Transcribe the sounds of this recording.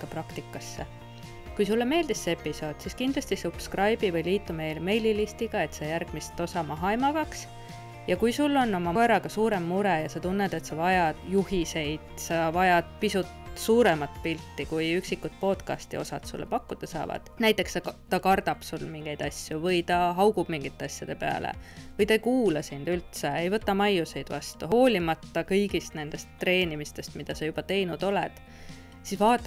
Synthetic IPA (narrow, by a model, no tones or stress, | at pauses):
kɑprɑkt̪ikːˑɑsːe | kujsulːeme̞ːld̪̥isːepːˑiso̞ːd̪̥siskind̪̥lɑsʲt̪isub̥skrɑjbivɤjliːt̪ːˑume̞jlme̞jlilist̪iɡ̥ɑe̞t̪sɑjærɡ̥mist̪ːo̞sɑmɑɦɑjmɑvɑks | jɑkujsulːo̞nːo̞mɑeɾɑɡ̥ɑsuːɾe̞mːuɾejɑsɑt̪unːed̪̥e̞t̪sɑvɑjɑd̪̥juhise̞jd̪̥sɑvɑjɑd̪̥̚pisut̪suːɾe̞mɑt̪ˑpilt̪ːikujyksikːˑut̪̚po̞ːt̪kɑ̰st̪ḭo̞̰sɑt̪sṵlːʔepɑkːud̪̥ɑsɑ̰ːvɑ̰d̪̥næjt̪ːˑe̞ksɑt̪ɑkɑrd̪ɑb̥sulmiŋɡ̥e̞jd̪̥ɑsʲjuvɤjt̪ɑɦɑwɡ̥ub̥miŋɡ̥it̪ːˑeɑsʲjɑd̪̥e̞pe̞ɑ̰lḛvɤjt̪ɑejkuːlɑsind̪̥ylt̪seejvɤ̞t̪ːɑmɑjuse̞jd̪̥vɑ̰st̪uɦo̞ːlʲimɑt̪ːɑkɤjɡist̪ne̞nd̪e̞st̪ːre̞ːnʲimist̪e̞st̪mid̪̥ɑsɑjub̥ɑt̪e̞jnud̪̥o̞lɛ̰d̪̥ | sisvɑːt̪ˑːɑ